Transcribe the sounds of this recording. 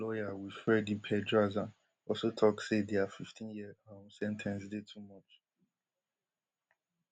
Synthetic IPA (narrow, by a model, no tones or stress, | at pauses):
lɔjawifɹɛdipʰɛdɹazã | ɔlsotʰɔksedeafiftʰĩnjiamsɛ̃ntʰɛ̃nsdetʰumɔt͡ʃ